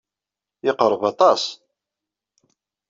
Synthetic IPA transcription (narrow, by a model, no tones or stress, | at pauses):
ɪqɾˤəvɑt̪ˤɑs